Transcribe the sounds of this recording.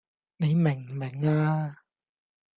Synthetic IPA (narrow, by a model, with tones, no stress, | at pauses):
ni˨˦me˨˩ŋmɛ˨˩ŋaː˧